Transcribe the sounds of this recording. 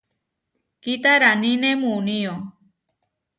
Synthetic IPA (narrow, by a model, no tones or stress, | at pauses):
kit̪aɾanĩnemũnio